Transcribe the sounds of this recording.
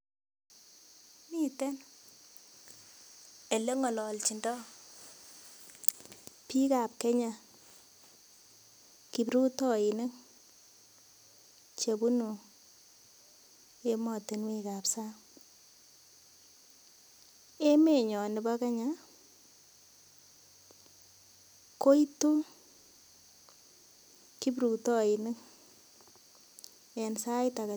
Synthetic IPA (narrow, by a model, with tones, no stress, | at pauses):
ni˦tɛ˦n | e˨le˦ŋɔ˨lɔ˨lt͡ʃi˨ndɔ˦ | pi˦ka˨p̚ke˦ɲa˦ | ki˨bɾu˦tɔ˦i˨ne˦ŋ | t͡ʃe˨bu˦nu˨ | e˦mɔ˨te˨nwe˦ka˨psa˦ | e˦me˨ɲɔ˨nɪ˨ba˦ka˦ɲa˦ | ko˦i˦tu˦ | ki˦bɾu˨tɔ˦i˨nɪ˦ŋ | ne˨nsa˦jta˨ka˨